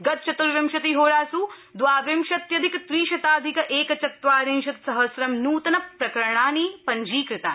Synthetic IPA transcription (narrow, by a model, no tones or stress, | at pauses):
ɡɐt̪̚t͡ʃɐt̪uɾʋjɐmʃɐt̪iɦoːɾaːsuː | d̪ʋaːʋjɐmʃɐt̪jɐd̪ʱikɐt̪ʋiːʃɐt̪aːd̪ʱikɐʔeːkɐt͡ʃɐt̪ʋaːɾinʃɐt̪sɐɦɐsɾɐmnuːt̪ɐnɐpɾɐkɐɾɐɳaːniːpɐɲd͡ʒiːkɾɪt̪aː